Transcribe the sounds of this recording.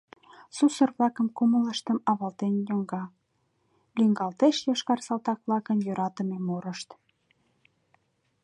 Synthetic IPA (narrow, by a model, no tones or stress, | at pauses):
susə̆rβlɑkə̆mkumələʃt̪əmɑβɑlt̪enjoŋɡɑ | lʲyŋɡɑlt̪eʃjɑʃkɑrsɑlt̪ɑkβlɑkənjøɾɑt̪ə̆memoɾəʃt̪